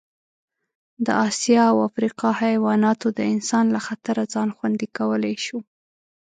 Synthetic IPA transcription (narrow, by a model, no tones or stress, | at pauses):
d̪ə̰ʔɑsjɑawafɾiqɑhajwɑnɑt̪od̪əɪnsɑnlaxat̪aɾad͡zɑnxwand̪ikawəlajʃu